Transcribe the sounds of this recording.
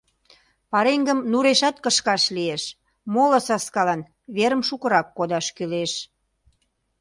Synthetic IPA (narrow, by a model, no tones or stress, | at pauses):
pɑɾeŋɡəmnuɾeʃɑt̪kəʃkɑʃlieʃ | moləsɑskɑlɑn | βeɾəmʃukəɾɑkːod̪ɑʃkyleʃ